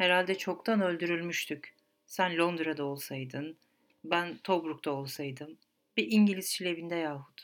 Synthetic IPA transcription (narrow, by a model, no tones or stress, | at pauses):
heɾalʲd̪ɛt͡ʃʰo̞kt̪ʰanø̞lʲd̪yɾylʲmyʃt̪ʰyc | sænlʲo̞nd̪ɾad̪ao̞lˠsajd̪ɯn | bænt̪ʰo̞bɾuk̚t̪ʰao̞lˠsajd̪ɯm | biʔiɲɟilʲiz̥t͡ʃʰilʲe̞bind̪ɛjaːɦu̥t̪